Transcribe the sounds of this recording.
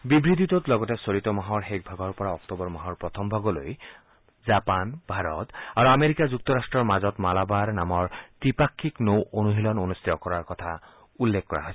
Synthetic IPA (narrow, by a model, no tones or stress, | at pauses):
bibɹidʱitɔtlɔɡɔtɛsoɹitɔmaɦɔɹxek̚bʱaɡɔɹpɔɹaɔktɔbɔɹmaɦɔɹpɹɔtʰɔmbʱaɡɔlo̰j | zapanb̥ʱaɹɔtaɹuameɹikazuk̚tɔɹastɹɔɹmazɔtmalabaɹnamɔɹtɹipakʰːiknowʔonuɦilɔnonust̪ʰitɔkɔɹaɹkɔtʰa | ulːekkːɔɹa̰ɦojs